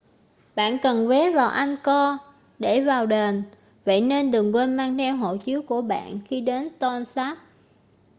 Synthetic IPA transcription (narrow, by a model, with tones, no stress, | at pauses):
ɓa̰ː˧˨nkə˨˩nve˨˦vaː˨˩wʔa˧jŋ̟kɔ˧ | ɗe˧˩vaː˨˩wɗe˨˩n | və̰˧˨jne˧nɗɨ˨˩əŋkwe˧nmaː˧ŋt̪ʰɛ˧wɦo̰˧˨t͡ɕi˨˦əwku˧˩əɓa̰ː˧˨nxi˧ɗe˨˦nt̪ɔ˧nsaː˦˥p̚